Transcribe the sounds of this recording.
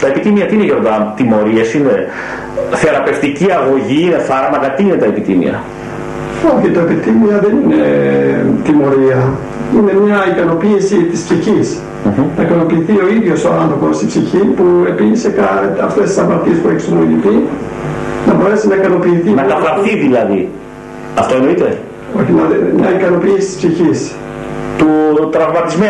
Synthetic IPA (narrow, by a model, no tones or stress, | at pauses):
t̪ɐepit̪imiɐt̪iineʝo̞ɾðɐnt̪imo̞ɾiesine | θeɾɐpe̞ft̪iciɐɣo̞ʝiine̞fɐɾmɐkɐt̪iine̞t̪ɐepit̪ḭmḭɐ̰ | oçit̪oepit̪imiɐðe̞nine̞ | t̪imo̞ɾiɐ | ine̞mɲɐikɐno̞piːsit̪ispsiçis̩ | nɐikɐno̞piːθio̞iðʝo̞soɐnθɾo̞po̞st̪ipsiçipue̞pinise̞kɐɐft̪est̪isɐmɐt̪ie̞spueçisomojiθi | nɐbo̞ɾe̞sinɐikɐno̞piːθinɐɐfɐɾθiðilɐðḭ | ɐft̪oenoit̪e | o̞çinɐðemɲɐikɐno̞piːsi̥t̪i̥spsiçis | t̪ut̪ɾɐvmɐt̪izme